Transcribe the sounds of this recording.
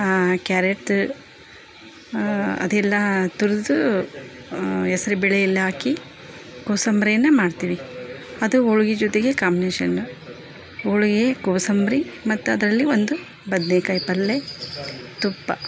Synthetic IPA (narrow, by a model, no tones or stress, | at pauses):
kjaːɾeʈ | ɐ̰d̪ɛlːɐt̪uɾd̪u | ɛsɐɾubɛɭeilːaːki | koːsɐmbɾijɐnːɐmaːɖt̪iːʋiɐd̪uoɭuɡed͡ʒɔt̪eɡekaːmbineːʃɐnːu | oɭuɡekoːsɐmbɾimɐt̪ːuɐd̪ɐɾɐlːiʋond̪u | bɐd̪nekɐjpɐlːe | t̪upːɐ̰